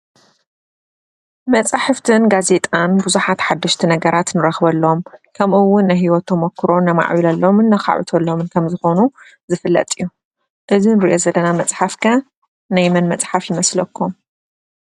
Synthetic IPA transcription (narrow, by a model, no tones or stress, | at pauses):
mɐt͡sʼaħɨft̪ʰɨnɡaze̞t̪ʼanbuzuħat̪ħad̪ːɐʃt̪ʰinɐɡɐɾat̪nɨɾɐxβɐlːomkʰɐmʔɨwːʊnːajɦiwɔt̪ʰːɐmokːɨɾo̞najma̰ʕβilalːomɨnːɐxa̰ʕṵt̪ʰɐlːomɨnkʰɐmzɨxo̞nu | zɨfɨlːɐ̰t̪ʼijːu | ʔɨzinɨɾḭʔo̞zɐlːɐnamɐt͡sʼħafkʰɐ | najmɐnmɐt͡sʼħafjɪmɐslɐkʰːum